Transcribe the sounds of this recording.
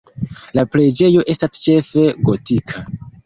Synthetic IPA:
lapɾe̞d͡ʒe̞jo̞ʔe̞stast͡ʃe̞fe̞ɡo̞tikʰa

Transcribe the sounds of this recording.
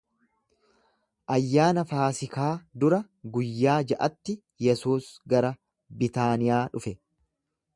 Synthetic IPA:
ʔɐjːaːnɐfaːsɪkaːd̪ʊɾɐ | ɡʊjːaːd͡ʒɐʔɐt̪ːɪ | jɛsuːsɡɐɾɐ | bɪt̪aːnɪjaːᶑʊfɛ

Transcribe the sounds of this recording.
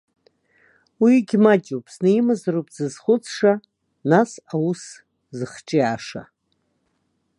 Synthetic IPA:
wiɡʲmat͡ʃʲʼupʰʼsneimazaɾupʰʼzɨzχʷʊt͡sʰʂa | nasaus | zɨχt͡ʃʼiaʂa̰

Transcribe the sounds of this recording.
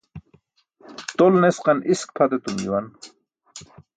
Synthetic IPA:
t̪olnesqɑnʔisk̚pʰat̪et̪umjiwan

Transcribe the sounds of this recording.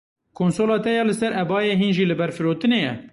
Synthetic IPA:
kʰoːnsoːlɑːt̪ɛjɑːlɨsɛɾɛbɑːjeːɦiːnʒiːlɨbɛɾfɨɾoːt̪ɨneːjɛ̰

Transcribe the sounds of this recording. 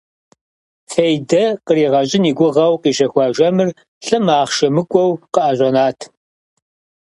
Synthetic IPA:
fejdɐqəɾiːʁɐɕʼɪniːɡʷʊʁɐwqiːɕɐxʷɑʒɐmɨr | ɬɨmaːχʃɐmɨkʷʼɔwqəʔɐɕʷʼɔnaːtʰ

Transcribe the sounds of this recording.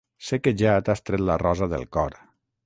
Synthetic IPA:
sekeʒat̪ast̪ɾet̪larɔzəðə̰lˠkɔɾ

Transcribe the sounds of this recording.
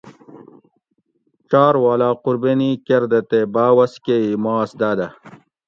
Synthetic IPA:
t͡ʃaːɾwaːlaːquɾbenikeɾd̪ɐt̪ebaːwɐskeimaːsd̪aːd̪ɐ

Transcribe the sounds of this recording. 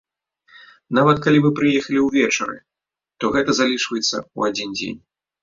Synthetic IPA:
navɐt̪̚kalʲimɨpɾɨjɛxɐlʲiwvʲɛt͡ʂɐɾɨ̰ | t̪ɔɣɛt̪ɐzalʲit͡ʂvɐjɛt̪sːɐ̰uad͡zʲind͡zʲḛnʲ

